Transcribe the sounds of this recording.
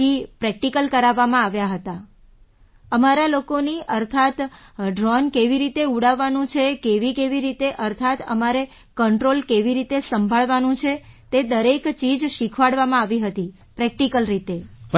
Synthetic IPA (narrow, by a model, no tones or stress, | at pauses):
ipɾɛk̚ʈikəlkəɾaʋːamãaʋjaɦət̪a | əmaɾalokoniʔəɾt̪ʰat̪ɖɾɔnkeʋiɾit̪euɽaʋanũt͡ʃʰekeʋikeʋiɾit̪eʔəɾt̪ʰat̪əmaɾe | kəɳʈɾolkeʋiɾit̪esəmbʱaɭʋanũt͡ʃʰet̪ed̪əɾekt͡ʃid͡ʒʃikʰʋaɭʋamãaʋiɦət̪i | pɾɛk̚ʈikəlɾit̪e